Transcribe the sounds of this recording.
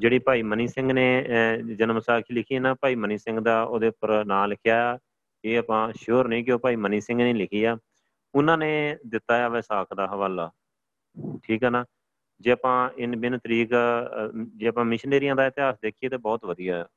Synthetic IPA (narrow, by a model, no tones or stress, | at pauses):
d͡ʒeːɽiːpaːiːməniːsɪ̃ŋɡneːd͡ʒənmsaːkʰiːlɪkʰiːeːnaːpaːiːməniːsɪ̃ŋɡd̪aːoːd̪eːpəɾnaːlɪkʰjaːjaː | eːəpãːʃoːɾnəĩːk̬ɪoːpaːiːməniːsɪ̃ŋɡnẽːlɪkʰiːaː | ʊnãːneːd̪ɪt̪ːaːjaːʋɛːsaːkʰd̪aːɦəʋaːlaː | ʈʰiːkɦɛːnaː | d͡ʒeːəpãːɪnbɪnt̪əɾiːk | d͡ʒeːəpãːmɪʃneːɾɪjãːd̪aːɪt̪ɪɦaːsd̪eːkʰijeːt̪eːbɔːt̪ʋəd̪ijaː